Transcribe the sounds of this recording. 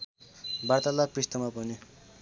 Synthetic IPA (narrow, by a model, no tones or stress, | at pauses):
bart̪alakprist̪ʌmapʌni